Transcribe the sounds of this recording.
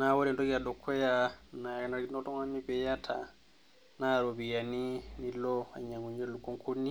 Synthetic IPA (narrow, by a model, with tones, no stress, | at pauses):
na˦wɔ˦ɾɛ˨ntɔ˦ki˦a˨dɔ˨kʰːɛ˦ja˨na˨na˨ɾki˦nɔ˦tɔ˦ŋa˦nːi˦pɛ˨ja˦tʰa̰˨ | na˦˨ɾo˨bi˨ja˨ni˦ni˦lɔ˦a˨ɲa˨ŋɡu˨ɲd͡ʒo˦lu˨kːɔ˦ŋkʰu˦nːi˦